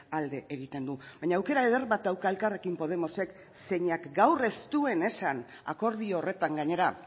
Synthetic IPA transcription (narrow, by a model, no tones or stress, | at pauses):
ald̪e̞ʔeɣ̞it̪e̞nd̪uβaɲaːwke̞ɾaeðerβat̪awkaelkare̞kimpo̞ðe̞mo̞se̞k | se̞ɲakɡawre̞st̪ue̞ne̞san | a̰ko̞ɾðioːre̞t̪aŋɡaɲe̞ɾa